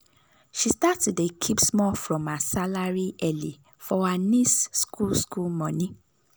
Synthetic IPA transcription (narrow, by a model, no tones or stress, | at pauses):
ʃistatsudekʰipsmɔfɹɔ̃masalaɾiʔɛli | fɔanĩsskʰulskulmɔ̃nĩ